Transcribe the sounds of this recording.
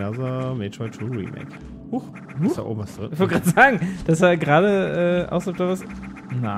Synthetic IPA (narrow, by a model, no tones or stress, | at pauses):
ɛɐzɐmɛːtɔtʰuːʁḭmɛ̰ːk | huχ | huta̰ʔo̰ːbm̩vasd̥ʁɪ̰nɪçv̥ɔlɡʁaːdəz̥aːɡŋ̩d̥asaɡʁaːɾəʔɛʔa̰ʊsf̚d̥avas | na